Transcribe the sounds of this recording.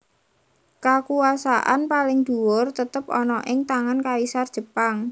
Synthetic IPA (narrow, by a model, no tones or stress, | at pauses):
kakuasaʔa̰npalɪŋd̪̥uwʊrt̪ət̪əpɔ̰nɔʔɪŋt̪aŋankalisard̥ʒ̥ə̤paŋ